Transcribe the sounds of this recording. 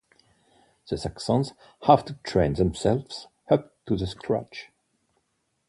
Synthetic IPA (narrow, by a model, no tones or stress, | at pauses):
ðəsaksɔ̃nz̥ | havtutʰɹẽɪ̃nðɛ̃msɛlvs | həp̚tuðəskʰɹa̰t͡ʃ